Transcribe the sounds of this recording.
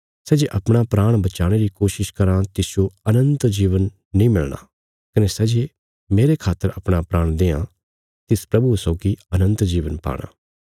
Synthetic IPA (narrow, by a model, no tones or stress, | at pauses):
sɛːd͡ʒeʔɐpɽ̃apɾaːɽ̃bɐt͡ʃaːɽ̃eɾikoːʃɪʃkɐɾãt̪ɪsjoɐnə̃nt̪d͡ʒiːʋənː | ĩːmɪlɽ̃a̰ː | kɐnesɛːd͡ʒe | meːɾekʰaːt̪ːəɾɐpɽ̃apɾaːɽ̃d̪eːã̰ | t̪ɪspɾɐbusɔːɡiɐnə̃nt̪d͡ʒiːʋənpa̰ːɽ̃a̰ː